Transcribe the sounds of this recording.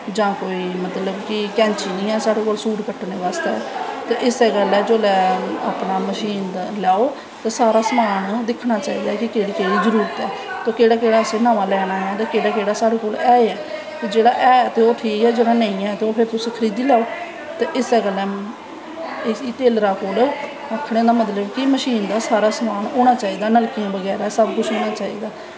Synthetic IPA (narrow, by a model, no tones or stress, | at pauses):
d͡ʒãːkoːiːmət̪ləbkɪkɛ̃ːnt͡ʃiːnĩːɛːsaːɽeːkoːlsuːʈkəʈːneːʋaːst̪ɛːt̪eːʔɪsɛːɡəlɛːd͡ʒoːlɛːa̰ːpnaːməʃiːnd̪lɛːoː | t̪eːsaːɾaːsəmaːnd̪ɪkʰːnaːt͡ʃaːiːd̪aːɛkɪkeːɽeːkeːɽiːzəɾuːɾət̪ɛː | t̪oːkeːɽaːkeːɽaːəsẽːnãːʋãːlɛːɽaːɦɛːt̪eːkeːɽaːkeːɽaːsaːɽeːkoːlɛːɛː | t̪eːd͡ʒeːɽaːʔɛːt̪eːoːʈʰiːkɛːd͡ʒeːɽaːnə̃ːĩːɛːt̪eoːpʰɪɾt̪ʊseːkʰəɾiːd̪iːlɛːoː | t̪eːʔɪsɛːɡəlɛː | iːt̪eːlɾaːkoːl | əkʰɽeːd̪aːmət̪ləbkɪməʃiːnd̪aːsaːɾaːsəmaːnoːɽ̃aːt͡ʃaːiːd̪aːnəlkijãːbəɡɛːɾaɛsəbkʊt͡ʃʰoːnaːt͡ʃaːḭːd̪aː